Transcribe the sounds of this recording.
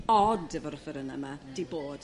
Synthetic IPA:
ɔdɛvɔɾɔfɛɾəna̰mad̥iboːd̥

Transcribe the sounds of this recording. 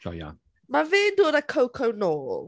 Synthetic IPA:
d͡ʒɔ̰ja̰n | maveːndoːdakʰowkʰəwnoːl

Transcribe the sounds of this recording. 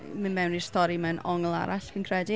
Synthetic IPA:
mɨnmɛwni̥stɔɾimɛnʔɔŋlˠa̰ɾaɬpʰiːnkʰr̥ɛdi

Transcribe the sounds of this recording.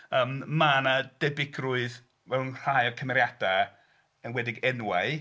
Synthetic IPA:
əːmmanad̥ɛbɪɡrʊɨð | vɛlˠunr̥ajɔkʰəmɛɾjada | ənwɛdɪɡɛnwaɨ

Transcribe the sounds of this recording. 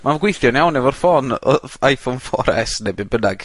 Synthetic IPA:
maɡwɪjθjɔneawnɛvɔrfɔnɔajfonfɔ̰ɾɛ̰snebɪbədaɡ̥

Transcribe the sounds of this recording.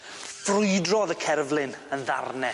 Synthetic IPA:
frʊɨdrɔðəkʰɛrvlˠɪnənða̰rnɛ

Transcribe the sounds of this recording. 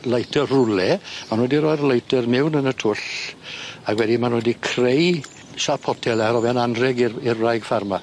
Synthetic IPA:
lˠajtʰɛrrʊlɛmanwɛdiɾɔjrlˠajtʰɛrmɪwnənətʰʊɬ | aɡwɛdimanwɛdikʰrej | ʃapʰɔtʰɛlɛɾɔvananrɛɡirɪrrajɡ̥farma

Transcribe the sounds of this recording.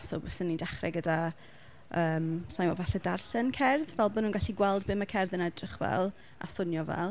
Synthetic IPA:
sɔ̰bəsənːidaχrɛ̰ɡəda | əːmsajmɔvaɬɛdarɬɛnkʰɛrðvɛlˠbonuːnɡaɬiɡwɛlˠdbɪməkʰɛrðənɛdrɪχvɛ̰lˠ | a̰sʊnjɔvɛ̰lˠ

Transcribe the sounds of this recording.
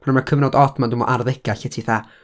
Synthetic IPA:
manmakʰəvnɔdɔdmandumɔ̰ʔarðɛɡ̥aɬɛtʰiθa

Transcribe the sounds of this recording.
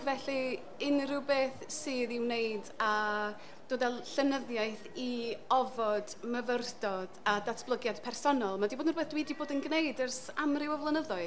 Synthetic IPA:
vɛɬi | ɪnrɨwbeːθsɨːðɪwnejda | d̥oːdvɛlˠɬənəðjajθiɔvɔd̥məvərdɔd̥adatʰb̥lˠəɡjad̥pʰɛrsɔnɔlˠmadiboːdnɔrbeːθd̥wiːdiboːdənɡnejdərsamrɪwɔvlˠənəðɔɨ

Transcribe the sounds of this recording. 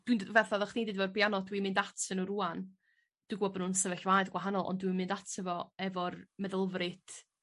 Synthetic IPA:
d̥windvɛrθaðɔχnejdɪdvɛɔrbjanɔdwimɨndatʰənəɾuan | d̥ɨɡwɔbnunsəvɛɬvaːjɨðɡwaɦanɔlˠɔ̰ndwimɨndatʰəvɔɛvɔrmɛðəlˠvrɨt

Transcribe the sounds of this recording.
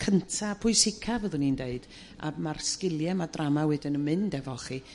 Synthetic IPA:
kʰəntʰapʰʊɨsɪkʰavəðʊnindeɨd̥ | a̰marskɪlˠjɛmadramawɛdɪnənmɨndɛvɔχi

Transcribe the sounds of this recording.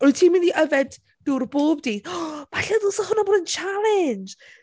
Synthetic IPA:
rutʰiːmɪndiʔəvɛdː | ʊrboːbdiːdb̥aɬɛðʊsɔhʊnaboːdənt͡ʃʰalɛnd͡ʒ

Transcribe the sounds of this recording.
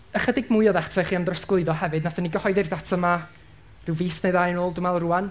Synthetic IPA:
əχədɪɡ̚mʊjɔðatʰɛχiːamdrɔsklˠɨɨðɔhɛvɨdnaθaniɡəhɔɨðɪrðatʰəma | rɨwviːsnejðajnoːlˠdʊmɛlˠruan

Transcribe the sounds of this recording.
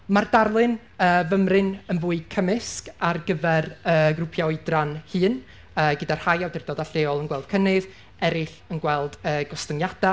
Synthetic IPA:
mardarlˠɨn | əːvəmrɨnənvuːɨkʰəmɪskarɡəvɛrəːɡrʊpʰjɔɨdranhɨːn | əːɡədar̥hajawdɪrdɔdaɬeɔlˠənɡwɛlˠd̥̚kʰənɨð | ɛɾɪɬ | ənɡwɛlˠd̥əːɡɔstənjad̥a

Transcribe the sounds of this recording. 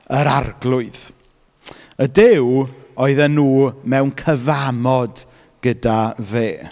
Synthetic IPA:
əɾarɡlˠʊɨð | ədɪwoɨðɛnːuːmɛwnkʰəvamɔd | ɡ̥ədaveː

